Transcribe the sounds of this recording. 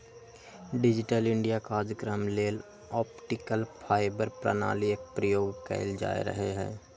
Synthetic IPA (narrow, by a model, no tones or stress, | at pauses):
ɖɪd͡ʒɪʈəlɪ̃ɳɖijakaːd͡ʒəkɾəmleːl | ɔːpʈɪkəlpʰaːɪbəɾpɾə̰na̰ːliek̚pɾəjoːɡkɛ̰ɪld͡ʒa̰ːḛɾə̰ɦeɦɛ̰ː